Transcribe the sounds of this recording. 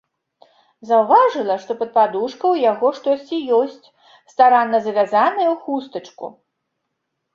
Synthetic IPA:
zɐwvaʐɨlˠɐʂt̪ɔpɐt̪̚pad̪uʂkɐwjaɣɔʂt̪ɔsʲt͡sʲijɔsʲt͡sʲ | st̪aɾanːɐzɐvʲazanɐjɐwxust̪ɐt͡ʂkṵ

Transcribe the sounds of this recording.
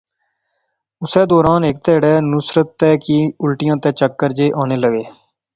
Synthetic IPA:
ʊsɛːd̪ɔːɾaːnɪk̚t̪ɛːɽɛːnʊsɾət̪ːɛːkiʊlʈɪjãːt̪ɛːt͡ʃəkːəɾd͡ʒeːʔaːneːləɡeː

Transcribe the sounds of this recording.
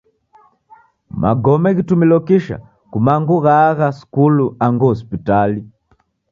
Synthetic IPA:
mʔa̰ɡɔmɛɣitumilɔkiʃa̰ | kumaŋɡuɣaɣasi̥kuluaŋɡuɔs̬pitali

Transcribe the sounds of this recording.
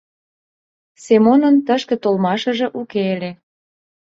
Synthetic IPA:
semonə̆nt̪əʃkĕt̪olmɑʃə̆ʒĕʔukeelʲe

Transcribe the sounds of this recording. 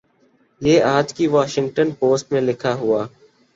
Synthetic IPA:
jeːaːd͡ʒkiʋaːʃɪ̃ŋɡ̚ʈənpoːsʈmẽlɪkʰaɦʊaː

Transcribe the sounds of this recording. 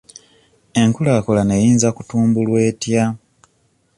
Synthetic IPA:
e̞ŋkulaːkolane̞jiːnzakutuːmbulwe̞ːtja

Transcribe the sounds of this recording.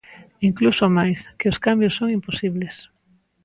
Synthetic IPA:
iŋklusomajskeoskambjosːoŋimposiβles

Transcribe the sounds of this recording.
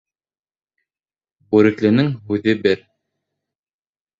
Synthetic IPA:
buɾɘ̆klɘ̆nɘŋɦʉðɘbɘɾ

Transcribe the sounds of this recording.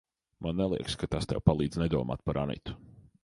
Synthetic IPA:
mʔanːɛlˠiɛkskat̪ast̪ɛ̰wpalˠiːd̪znɛd̪uɔma̰ːt̪̚paɾʔanḭt̪u̥

